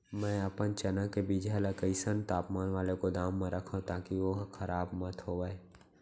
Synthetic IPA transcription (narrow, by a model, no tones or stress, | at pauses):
mɛ̃ːɐpənt͡ʃɐnəkːebid͡ʒaːləkəɪsənt̪aːpmaːnʋaːlekod̪aːmːẽɾɐkʰãt̪aːkiʋoɦkʰɐɾaːbmɐt̪ʰɦoːʋaeː